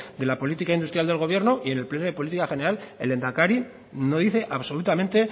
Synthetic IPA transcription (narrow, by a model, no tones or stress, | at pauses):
d̪e̞lapo̞lit̪ikaind̪ust̪ɾjald̪e̞lɣ̞o̞β̞je̞ɾno̞ʔie̞ne̞lplenoð̞e̞po̞lit̪ikaxe̞neɾalele̞nd̪akaɾi | no̞ðiθe̞ʔaβso̞lut̪ament̪e̞